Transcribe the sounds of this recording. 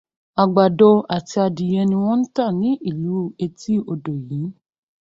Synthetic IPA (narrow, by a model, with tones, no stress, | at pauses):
a˨ɡ͡ba˨dɔ˧a˨ti˧a˧di˨jɛ˧nĩ˧w̃ɔ̃˦n̩˦ta˦˨nĩ˨˦ʔi˦˨lu˨˦e˧ti˦o˧do˨jĩ˨˦